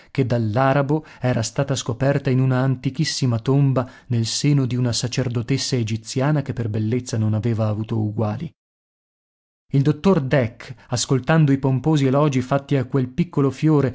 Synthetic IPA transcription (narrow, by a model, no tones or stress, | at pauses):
ked̪ːalːaːɾabo | ɛːɾast̪aːt̪askopɛrt̪ainunaːnt̪ikisːimat̪ombanelseːnod̪iunasat͡ʃerd̪ot̪esːaed͡ʒit̪sjaːnakepːerbelːet̪sːanonaveːvaːvuːt̪ouɡwaːli | ild̪ot̪ːord̪ɛkːaskolt̪and̪oipompoːzielɔːd͡ʒifat̪ːiakːwelpikːolofjoːɾe